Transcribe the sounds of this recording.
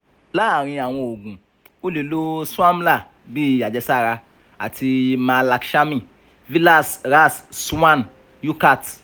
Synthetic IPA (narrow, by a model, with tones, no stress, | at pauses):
la˦˨ɾ̃ĩ˧a˨w̃ɔ̃˧o˨ɡũ˨ | o˦le˨lo˦su˦a˦m˦la˦˨ | bi˦a˨d͡ʒɛ˧sa˦˨ɾa˧ | a̰˨ti˧mã˨˧la˨kʃa˦mĩ˦˨ | vi˦la˦˨sɾa˦˨ssu˦wã˦n | ju˦ka˦˨t